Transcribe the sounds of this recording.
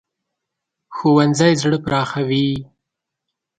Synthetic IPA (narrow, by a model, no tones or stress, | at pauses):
xowanzajzɽəpɾɑːxawi